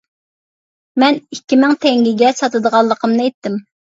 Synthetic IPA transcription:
mɛnikʲːimɪŋt̪ʰɛŋɡʲiɡʲɛsɑt̪ɨd̪əʁɑlˠːəqʰəmnɨɛjt̪ːɪm

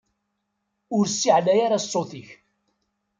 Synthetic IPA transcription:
ʊɾsːiʕlæjaɾasˤːoθiç

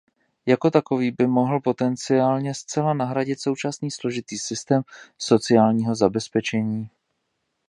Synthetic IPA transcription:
jako̞t̪ako̞viːbɪmo̞ɦl̩po̞t̪ɛnt͡sɪaːlɲɛst͡sɛlanaɦɾaɟɪt̪so̞wt͡ʃasniːslo̞ʒɪt̪iːsɪst̪ɛːmso̞t͡sɪaːlɲiːɦo̞zabɛspɛt͡ʃɛɲiː

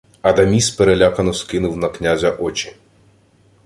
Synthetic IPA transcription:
ɐd̪ɐmʲispeɾelʲakɐnɔskɪnʊwnɐknʲazʲɐʔɔt͡ʃʲi̥

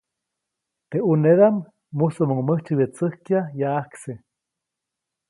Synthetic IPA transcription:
t̪euneðamː | usomoŋməht͡ʃɨβjet͡səhkjajaːhkse

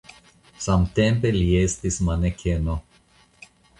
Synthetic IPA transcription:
samt̪empeliest̪ismanekʲʰeno

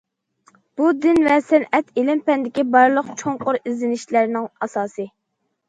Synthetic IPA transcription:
b̥ud̪ɪnvɛsɛnɛt̪ʰelɪmpɛnd̪ɪkʲibɑɾlˠəqt͡ʃʰoŋqʊɾizlɪnɪʃlæɾnɪŋɑsɑːsɨ

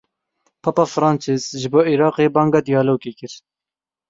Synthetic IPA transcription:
pʰɑpɑːfɾɑːnt͡ʃʰɪzʒɪboːiɾɑːqeːbɑːŋɡɑːd̪ijɑːloːɡeːkɪɾ

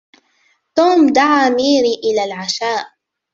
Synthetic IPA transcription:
t̪uːmd̪aʕaːmiːɾiːʔɪlaːlʕaʃaːʔ

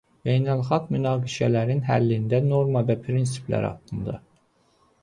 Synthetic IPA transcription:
jejnælˠxɑɡmynɑːɡiʃælæɾinɦælːind̪æno̞ɾmɑvæpʰɾins̬i̥plæ̰ɾɑ̰t̪ɯnd̪ɑ̰

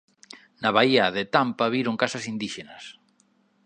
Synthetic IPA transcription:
naβaiaðet̪ampaβiɾoŋkasɐsind̪iʃenɐs

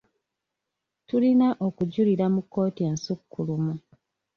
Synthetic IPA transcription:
tulinaʔo̞kuɟuliɾamukːo̞ːtieːnsukːulumu

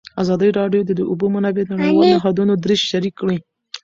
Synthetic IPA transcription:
azɑd̪əjɾɑɖjod̪əd̪əʊbomanabenaɽawɑloɦad̪unod̪ɾɪʃʃaɾikːɽi

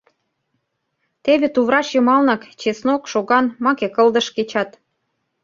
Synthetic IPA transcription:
t̪eβĕt̪uβɾɑʃjɤ̆mɑlnɑkt͡ɕesnokʃoɣɑnmɑkekɤ̆ld̪ə̆ʃket͡ɕɑt̪

